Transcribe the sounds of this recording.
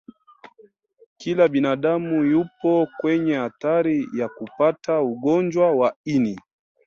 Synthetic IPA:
kilaɓinaɗamujupɔkwɛɲɛhataɾijakupatauɠɔnd͡ʒwawaini

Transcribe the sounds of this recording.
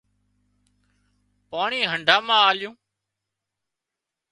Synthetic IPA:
paːɳiːɦəɳɖʱaːmãːaːljũː

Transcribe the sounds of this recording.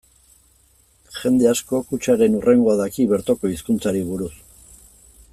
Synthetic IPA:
ʝe̞nd̪e̞asko̞kut͡ʃaɾe̞nurʔe̞ŋɡo̞aðakiβe̞ɾt̪o̞ko̞iskunt͡saɾiβuɾus

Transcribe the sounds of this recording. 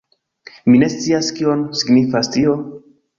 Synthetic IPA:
mine̞st͡siaskio̞nsiɡnifastio̞

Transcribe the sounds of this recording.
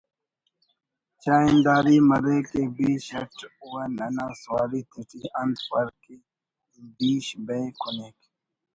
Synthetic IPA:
t͡ʃaːind̪aːɾimɐɾekebiːɕɐʈuwanɐnaswaːɾit̪itiɐnd̪pɐɾki | biːɕbejkʰunek

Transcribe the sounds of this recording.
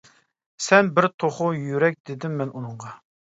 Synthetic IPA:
sɛnbɪɾt̪ʰoχʊjyɾɛk̚ʲd̪̥ɪd̪ɪmːɛnunɨɴʁɑ

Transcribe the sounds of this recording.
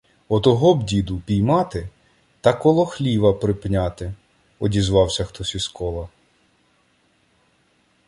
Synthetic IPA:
ɔt̪ɔɦɔbdʲid̪ʊpʲijmɑt̪ɪ | t̪ɐkɔlˠɔxlʲiʋɐpɾɪpnʲɑt̪ɪ | ɔdʲizʋɑwsʲɐxt̪ɔsʲiskɔlˠɐ

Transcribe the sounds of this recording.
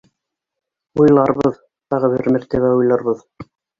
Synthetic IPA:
ujlˠɑɾβɤð | t̪ɑʁɤβɘ̰ɾmæɾt̪æβæujlˠɑɾβɤð

